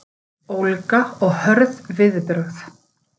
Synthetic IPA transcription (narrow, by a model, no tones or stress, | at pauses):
owlkaɔɣhœɾðvɪðpɾʏɣθ